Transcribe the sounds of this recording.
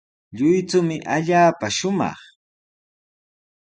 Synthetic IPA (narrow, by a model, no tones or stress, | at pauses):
ʎʊjt͡sʊmɪʔaʎaːpaʃʊmɑ̰χ